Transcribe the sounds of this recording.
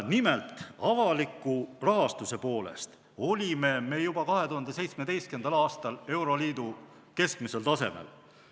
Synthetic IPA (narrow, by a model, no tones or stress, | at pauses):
nimelt̪ˑɑvɑlikːˑurɑɦɑst̪use̞po̞ːle̞̰st̪ | o̞lʲime̞me̞ːjub̥ɑkɑɦe̞t̪uhɑnd̪e̞s̬e̞jt̪sme̞d̪̥e̞jst̪ke̞nd̪̥ɑlɑːst̪ɑle̞wɾo̞liːd̪̥u | ke̞skmise̞lt̪ɑse̞̰mḛl